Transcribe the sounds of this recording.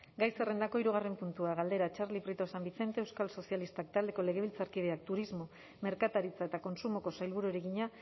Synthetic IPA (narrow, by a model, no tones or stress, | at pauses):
ɡajse̞re̞nd̪ako̞iɾuɣ̞are̞mpunt̪uaɣald̪e̞ɾat͡ʃaɾlipɾit̪osambiθe̞nt̪eewskalso̞sijalist̪ak̚t̪ald̪e̞ko̞le̞ɣe̞βilt͡saɾkiðe̞ak̚t̪uɾizmo̞ | me̞ɾkat̪aɾit͡saet̪ako̞nsumo̞ko̞sajlβuɾueɾeɣiɲa